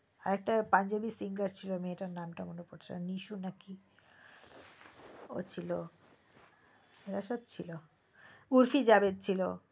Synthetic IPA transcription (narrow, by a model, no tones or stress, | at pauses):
a̰ɾɛk̚ʈapand͡ʑabisiŋɡaɾt͡ɕʰiloamieʈaɾnamʈamonepoɾt͡ɕʰia̰niʃunaki | o̰t͡ɕʰilo | eɾaʃɔd̪̚t͡ɕʰilo | uɾfid͡ʑabed̪̚t͡ɕʰilo